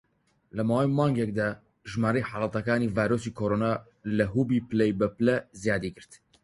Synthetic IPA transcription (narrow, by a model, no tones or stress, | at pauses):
lɐmaːwemɑːŋɡɛk̚d̪a | ʒmaːɾɛjħɑlɑt̪ɐkaːniːvaːjɾoːsikʰoːɾoːna | lɐɦuːbiːpɨlɛjbɛplɛzijaːd̪iːɡɨɾt̪